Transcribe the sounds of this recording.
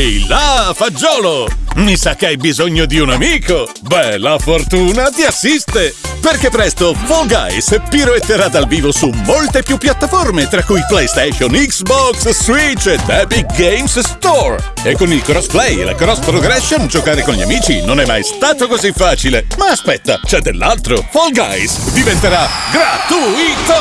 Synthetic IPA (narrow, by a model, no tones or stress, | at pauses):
ɛjlafad͡ʒːɔːlomisak̟ːeajbizoɲːod̪iunamiːko | bɛlafort̪uːnat̪iasːist̪eperkepːɾɛst̪ofoɡa̰jspiɾomet̪ːeɾad̪alviːvosumːolt̪epjupːjat̪ːaformet̪ɾakːujplɛjst̪ɛʃoniksbɔksːwit͡ʃːed̪ɛbiɡejmsst̪ɔr | ekːonilkɾɔsplɛjḛla̰kɾɔspɾoɡɾɛsːond͡ʒokaːɾekonʎia̰miːt͡ʃinonɛmːa̰jst̪aːt̪okozifːaːt͡ʃilemaːspɛt̪ːa̰t͡ʃɛd̪ːelːalt̪ɾofolɡa̰jsd̪ivent̪eɾaɡɾat̪uit̪o